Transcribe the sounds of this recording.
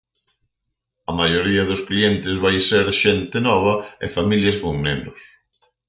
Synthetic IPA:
ɐmajoɾiɐðʊsklient̪ɪzβajseɾʃent̪ɪnɔβ̞ɐɪ̰familjɐzβoŋnenʊs

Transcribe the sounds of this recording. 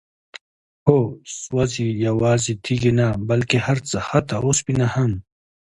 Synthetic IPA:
hoswɐzijɐwaːzit̪ʰiɡinabɐlkehɐɾt͡saxɐt̪aospinahɐm

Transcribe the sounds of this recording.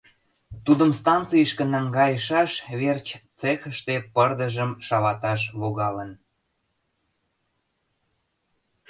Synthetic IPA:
t̪ud̪əmst̪ɑnt͡sijəʃkə̆næŋɡɑjəʃɑʃβert͡ɕt͡sexəʃt̪epərd̪əʒəmʃɑβɑt̪ɑʃβoɣɑlən

